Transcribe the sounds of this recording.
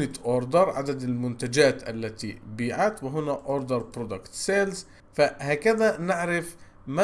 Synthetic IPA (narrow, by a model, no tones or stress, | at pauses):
nɪt̪ʔoːɾd̪ɑɾˤʕa̰d̪ad̪almʊnt̪ad͡ʒaːt̪ʔa̰lːat̪ḭbiːʕat̪wɪɦʊnaʔoːɾd̪ɑɾˤpɾod̪akt̪seːlz | fahaːkaðanɪʕɾɪf | ma